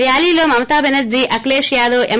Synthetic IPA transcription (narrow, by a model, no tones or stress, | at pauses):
ijaːliːloːmɐmɐt̪aːbenɐd͡ʒiʔɐkleːʃjaːd̪oːʔem